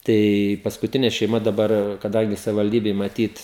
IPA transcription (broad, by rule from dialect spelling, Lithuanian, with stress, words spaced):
ˈtɐɪ pɐskʊˈtʲɪnʲɛ ʃʲɛɪˈmɐ dɐˈbɐr kɐˈdɐŋʲɡʲɪ sɐʋʲɪʋɐlʲˈdʲiːbʲɛɪ mɐˈtʲiːt